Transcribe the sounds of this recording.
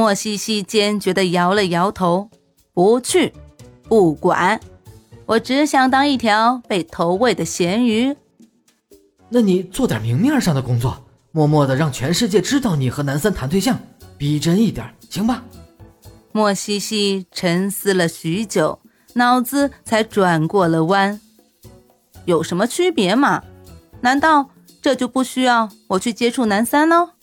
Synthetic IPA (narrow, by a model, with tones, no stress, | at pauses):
mwɔ˥˩ɕi˥ɕi˥t͡ɕjɛ˥nt͡ɕɥɛ˧˥d̪ə˧jɑ˧˥ʊlə˧jɑ˧˥ʊt̪ʰo˧˥ʊ | pu˧˥t͡ɕʰy˥˩pu˥˩kwa̰˨˩˦nwʔɔ˨˩ʈ͡ʂɻ̩˧˥ɕjɑ˧˩ŋt̪ɑ˥ŋi˥˩t̪ʰjɑ˧˥ʊpe˥˩ɪt̪ʰo˧˥ʊwe˥˩ɪd̪ə˩ɕjɛ˧˥ny˧˥ | na˥˩ni˨˩t͡swɔ˥˩t̪jɐ˨˩mi˧˥ŋmjɛ˥˧ʂɑ˥˩ŋd̪ə˩kʊ˥ŋt͡swɔ˥˩ | mwɔ˥˧mwɔ˥˩d̪ə˩ɻɑ˥˩ŋt͡ɕʰɥɛ˧˥nʂɻ̩˥˧t͡ɕjɛ˥˧ʈ͡ʂɻ̩˥t̪ɑ˥˩ʊni˨˩xɤ˧˥na˧˥nsa˥nt̪ʰa˧˥nt̪ʰwɕjɑ˥˩ŋpi˨˩ʈ͡ʂə˥ni˥˩t̪jɑ̰˨˩˦t͡ɕʰi˧˥ŋba˧˩ | mwɔ˥˩ɕi˥ɕi˥ʈ͡ʂʰə˧˥ŋsɹ̩˥lə˨ɕy˧˥t͡ɕjo˨˩˦ʊ | nɑ˧˥ʊt͡sɹ̩˧t͡sʰa˧˥ɪʈ͡ʂwa˨˩nkwɔ˥˩lə˩wa˥n | jo˨˩ʊʂə˧˥nmə˧t͡ɕʰy˥pjɛ˧˥mɐ˨na˧˥nt̪ɑ˥˧ʊ | ʈ͡ʂɤ˥˧t͡ɕjo˥˧ʊpu˥˩ɕy˥jɑ˥˩ʊwɔ˨˩t͡ɕʰy˥˩t͡ɕjɛ˥ʈ͡ʂʰu˥˩na˧˥nsa˥nlə˧